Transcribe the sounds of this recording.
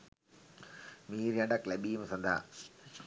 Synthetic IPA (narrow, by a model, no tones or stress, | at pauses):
miːɾjaɳɖakleɓiːmsɐnd̪ʱa̰ː